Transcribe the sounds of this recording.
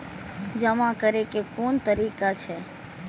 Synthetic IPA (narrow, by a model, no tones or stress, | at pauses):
d͡ʒəmakəɾekekont̪əɾikat͡ʃʰe